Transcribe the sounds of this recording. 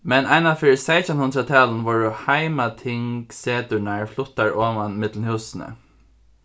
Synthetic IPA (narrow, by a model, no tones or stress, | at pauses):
mɛnaɪnafʏɹseɪsənhʊnd̪ɾat̪ʰɑːln̩ʋɔɹʊhaɪmat̪ʰɪŋkseːt̪ʉɳaɹflʊt̪aɹʔoːʋanmɪt̪l̩n̩hʉːsn̩ə̰